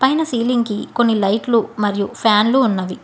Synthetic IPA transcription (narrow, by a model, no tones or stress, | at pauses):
pɐjnɐsiːliŋɡkiko̞nːilɐjʈlumɐɾijupʰjaːnluːnːɐʋi